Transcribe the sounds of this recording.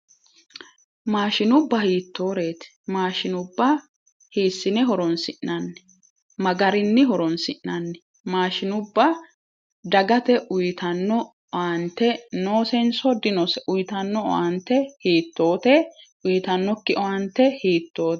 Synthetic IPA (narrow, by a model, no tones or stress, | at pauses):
maːʃɪnʊbːɐhiːt̪ʰːo̞ːɾe̞ːt̪ | maːʃɪnʊbːɐ | hiːsːɪnɛɦɔɾɔnsɪʔnɐnːɛ̥ | mɐɡɐɾɪnːɪɦɔɾɔnsɪʔnːɐnːɛ̥ | maːʃɪnʊbːɐ | d̪ɐɡɐt̪ɛʔʊjt̪ɐnːɔ | ant̪ːɛno̞ːsɛnsɔd̪ɪnɔsɛʔʊjt̪ɐnːɔ̰ɐnt̪ːɛhiːt̪ːo̞ːt̪ɛʔʊjt̪ɐnːɔkːɪʔɔɐnt̪ːɛhiːt̪ːo̞ː